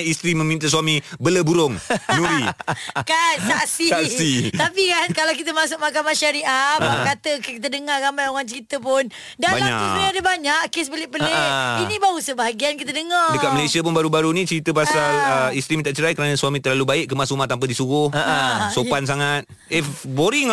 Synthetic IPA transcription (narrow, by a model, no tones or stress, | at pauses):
ist̪ɾimə̃mĩnt̪əs̬uamibələbuɾʊŋɲuɾikansaksiaksit̪apikankalawk̬it̪əmasʊk̚makamaʃaɾiʔakat̪əkkit̪̬ədəŋarɣamajoŋant͡ʃəɾit̪əpʊn | dabalɲa̰aniadəbaɲaʔkesbəlɪʔpələinibausəbaɦaɡiankit̪ədəŋadəkaʔ̚məlasiapʊnbaɾubaɾunĩt͡ʃəɾit̪əpasaləist̪ɾimit̪aʔt͡ʃəɾajkəɾanəsuamĩt̪ərlalubaɪʔkːəmasumat̪ampadisuɣʊhəsopans̬aŋat̪̚ | eboɾiŋ